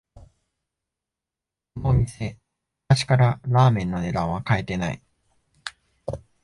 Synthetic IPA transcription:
momʲise̞ | aɕi̥kaɾaɾaːmẽ̞nːo̞ne̞d̪ãɰ̃βakaet̪e̞naḭ

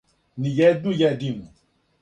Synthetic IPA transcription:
nĩjɛdujɛdinu

